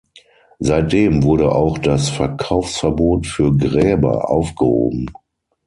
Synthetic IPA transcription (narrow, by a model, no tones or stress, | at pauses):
zaɪt̚d̥eːmvʊɐɾəʔaʊxd̥asfɛɐkʰaʊfsfɛɐboːtfyːɐɡʁɛːbɐ̰ʔa̰ʊfɡ̥əho̰ːbm̩